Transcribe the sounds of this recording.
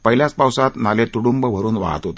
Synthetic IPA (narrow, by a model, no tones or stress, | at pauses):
pəɦiljat͡spawsat̪nalet̪uɽumbəʋ̤ʱəɾuːnʋa̰ɦa̰t̪ɦot̪ə